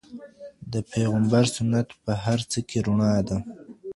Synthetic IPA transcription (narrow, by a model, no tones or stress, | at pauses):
d̪əpʰeɣambaɾsʊnat̪pəɦaɾt͡səkʰeɾʊɳɑd̪a